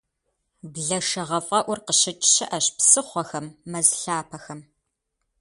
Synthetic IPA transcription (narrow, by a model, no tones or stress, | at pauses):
bɮɐʂɐʁɐfʼɐʔʷʊrqəɕɪt͡ʃʼɕɪʔɐɕpsɨχʷɔxɐmːɐzɬaːpʰɐxɐm